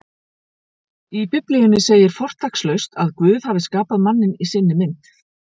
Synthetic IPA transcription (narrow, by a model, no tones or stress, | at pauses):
ipʏplijʏnɪseːjɪɾ̥fɔr̥t̪ʰakslœɥst̪aðkvʏːð̥havɪskaːpaðmanːɪnisɪnːɪmɪnt̪